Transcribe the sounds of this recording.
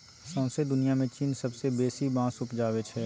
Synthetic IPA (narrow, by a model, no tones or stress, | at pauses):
sɔ̃ːsed̪ʊnijamẽt͡ʃiːnsɐbsebeːsibãːsʊpd͡ʒaːʋet͡ʃʰɛː